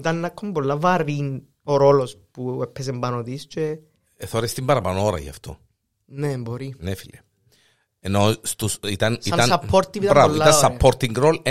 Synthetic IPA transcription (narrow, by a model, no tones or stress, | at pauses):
t̪anːakʰːombolːavarin | oɾolospuɛpːɛs̬embanot̪ist͡ʃe | θoɾest̪imbɐɾɐpanooɾɐ̰ʝa̰ft̪ʰo̰ | neboɾinefilɐ | enost̪usit̪ɐniannsapːoɾt̪ipit̪ɾavolit̪ɐssapʰːoɾt̪iŋɡɾol